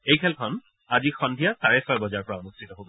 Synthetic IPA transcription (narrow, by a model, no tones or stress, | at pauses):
ejkʰɛlkʰɔn | azixɔndʱijasaɹɛsɔjbɔzaɹpɔɹaɔnustʰitɔɦobɔ